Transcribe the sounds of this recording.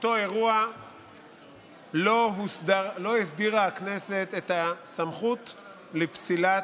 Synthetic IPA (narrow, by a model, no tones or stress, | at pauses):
ot̪o̞e̞ʁua | lo̞ɦusdaʁlo̞isd̪iʁaakne̞se̞t̪e̞t̪asamχut̪ | lepsila